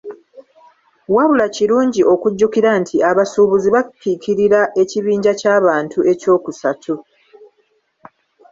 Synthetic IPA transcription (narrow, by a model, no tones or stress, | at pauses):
waβulaciɾuːɲɟiʔo̞kuɟːukiɾantʰiaβasuːβuziβakːikiɾiɾaʔe̞ciβiːɲɟacaːβaːntuʔe̞co̞ːkusatʰu